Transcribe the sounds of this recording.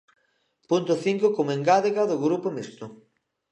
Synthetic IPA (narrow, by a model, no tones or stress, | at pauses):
punt̪ʊθiŋkokomeŋɡaðeɣaðʊɣɾupʊmist̪ʊ